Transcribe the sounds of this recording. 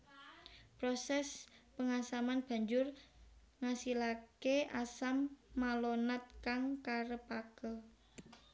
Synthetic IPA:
pɾosɛspəŋasamanb̥ä̤ɲd͡ʒʊr | ŋasilakeʔasamːalonat̪̚kaŋkaɾəpakə

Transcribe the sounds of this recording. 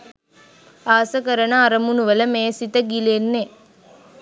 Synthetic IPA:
aːsɐkəɾənaːɾɐmunuʋələmeːsit̪əɡilenːe

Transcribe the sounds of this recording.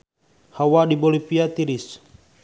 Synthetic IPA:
hawadibolipiat̪iɾis

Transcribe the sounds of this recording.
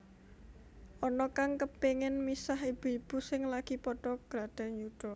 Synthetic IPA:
ʔɔnɔkaŋkəpeŋɪnmisahib̥ib̥ṳsɪŋlaɡ̥i̤pɔɖ̥ɔ̤ɡ̥ɾad̥a̤ɲud̥ɔ

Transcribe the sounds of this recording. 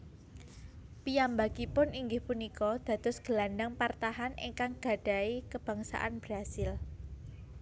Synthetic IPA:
pijambaɡ̥ipʊniŋɡɪhpunikɔd̪̥ä̤d̪̥ʊsɡ̥əlandaŋpart̪aɦanʔḭŋkaŋɡ̥a̤ɖ̥a̤ikəb̥ä̤ŋsa̰ʔa̰nb̥ɾasɪl

